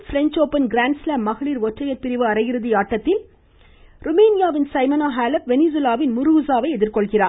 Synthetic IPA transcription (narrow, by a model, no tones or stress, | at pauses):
fɪɾɛɲt͡ʃoːpːɐnɡɾaːnslaːmːɐɣɐɭiːɾʋɔʈrɐjɐɾpɪɾɪʋɯɐɾɐjɪɾɯðɪjaːʈːɐt̪ːɪl | ɾʊmeːnɪjaːʋɪnsɐɪmɐnaːɦaːlɐp̚ʋɛnɪs̬ɪlaːʋɪnmʊɾuːsaːʋɐɪɛðɪɾkɔɭɣɪraː